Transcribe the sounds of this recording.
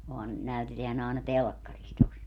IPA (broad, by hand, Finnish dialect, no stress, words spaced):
ohɑn næyteteæn ɑˑenɑ telkːɑris tos